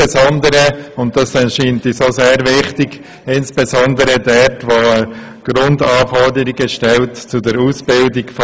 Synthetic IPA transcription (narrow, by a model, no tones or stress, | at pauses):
ɛzɔndəɾəʊnt̚d̥ɑsdɛnʃiːntisoseːɾʋɪχtɪɡ | ɪnsb̥ɛzɔndəɾədɛtʋoə | ɡ̥ɾʊndɑːfɔɾdəɾiɡəʃtɛltt͡sudəɾusb̥ɪldɪɡf